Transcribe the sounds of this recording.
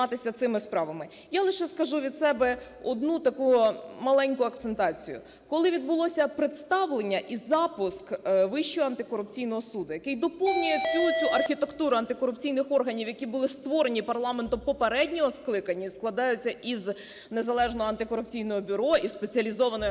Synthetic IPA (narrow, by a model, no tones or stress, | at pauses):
ɑt̪ɪsʲɐt̪sɪmɪspɾɑʋɐmɪ | jalˠɪʃɛskɐʒuʋʲid̪sɛbɛ | ɔd̪nut̪ɐkumɐlˠɛnʲkʊɐkt̪sent̪ɑt͡sʲijʊ̰ | kɔlˠɪʋʲid̪̚bʊlˠɔsʲɐpɾɪt̪st̪ɑʋlˠenʲːɐʔizɑpʊskʋɪʃt͡ʃɔɦɔɐnt̪ɪkɔɾʊpt͡sʲijnɔɦɔsud̪ʊjɐkɪjd̪ɔpɔwnʲʊjesʲuʊt͡sʲuʔɐrxʲit̪ekt̪uɾʊɐnt̪ɪkɔɾʊpt͡sʲijnɪxɔrɦɐnʲiwjɐkʲibʊlˠɪst̪ʋɔɾenʲipɐrlˠɑment̪ʊmpɔpeɾɛdʲnʲɔɦɔsklˠɪkɐnʲːɐisklˠɐd̪ɑjʊt͡sʲːɐʔiz | ne̞zɐlˠɛʒnɔɦɔɐnt̪ɪkɔɾʊp̚t͡sʲijnɔɦɔbʲʊɾɔʔispet͡sʲɐlʲizɔʋɐnɔj